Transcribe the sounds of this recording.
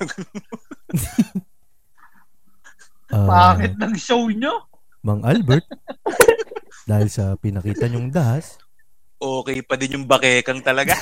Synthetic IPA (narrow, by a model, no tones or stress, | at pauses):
ʔɐbaːŋɪt̪̚nɐŋʃowɲo | mɐŋʔalbɛɾt̪̚ | d̪aːhɪlsɐpɪnɐkiːt̪ɐɲoŋd̪ɐʔas | ʔoːkɛjpɐd̪ɪnjʊŋbɐkɛːkɐŋt̪ɐlɐɡa